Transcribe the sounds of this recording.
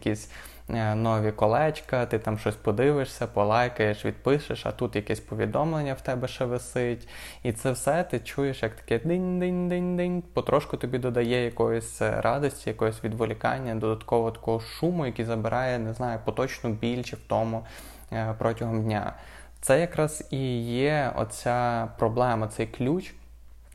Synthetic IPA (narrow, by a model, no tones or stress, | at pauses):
jɐkʲisʲ | nɔʋʲikɔlˠɛt͡ʃkɐt̪ɪt̪ɑmʃt͡ʃɔsʲpɔd̪ɪʋɪʂsʲɐpɔlˠɑjkɐjeʃʋʲḭd̪̚pɪʃɪʃɐ̰t̪ut̪jɐkɛsʲpɔʋʲḭd̪ɔmlˠenʲːɐwt̪ɛbɛʃɛʋɪsɪtʲ | it̪sɛwsɛt̪ɪt͡ʃujeʃjɐkt̪ɐ̥kɛd̪ɪnʲd̪ɪnʲd̪ɪnʲd̪ɪnʲpɔt̪ɾʔɔʃkʊt̪ɔbʲid̪ɔd̪ɐjɛjɐkɔjɔsʲɾʔɑd̪ɔsʲtʲijɐkɔɦɔsʲʋʲid̪ʋɔlʲikɑ̰nʲːɐd̪ɔd̪ɐt̪kɔʋɔt̪ɐ̥kɔɦɔʃumʊjɐkʲizɐbɪɾʔɑjɛneznɑjʊpɔt̪ɔt͡ʃnɔbʲilʲt͡ʃɛwt̪ɔmʊ | pɾʔɔtʲɐɦɔmdʲnʲa̰ | t̪sɛjɐkɾɑz̥ijɛɔ̰t͡sʲapɾɔblˠɛmɐt̪sɛjklʲut͡ʃ